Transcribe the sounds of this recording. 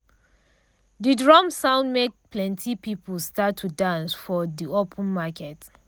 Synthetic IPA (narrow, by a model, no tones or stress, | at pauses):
didɹɔmsãʊ̃ndmek̚pʰlɛ̃ntʰipipəl̩statʰːudãnsfɔðiopʰə̃nmakʰɛt